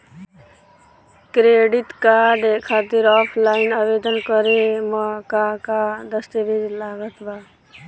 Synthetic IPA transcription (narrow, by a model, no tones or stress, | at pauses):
kɾeɖit̪kaɖkʰaːt̪iɾɔpʰlaːɪnaːbed̪ənkʌɾemakakad̪əsʈ̪iɾid͡ʒlaːɡət̪ba